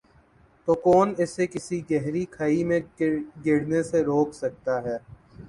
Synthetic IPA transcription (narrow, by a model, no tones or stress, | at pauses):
t̪okɔːnɪsekɪsiɡɛɦɾikʰaːimẽɡɪɽneseɾoːksɐk̚t̪aɦɛː